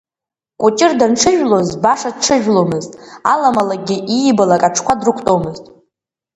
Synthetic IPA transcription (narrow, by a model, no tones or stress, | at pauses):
kʷʼʊt͡ʃʼɪrdanʈ͡ʂʰɨʒᶣlo̞zbaʂadʈ͡ʂʰɨʒᶣlomɨztʼa̰lamalaɡʲɪʔijbalakʼaʈ͡ʂʰkʷʰadrɨkʷʰtʼo̞mɨztʼ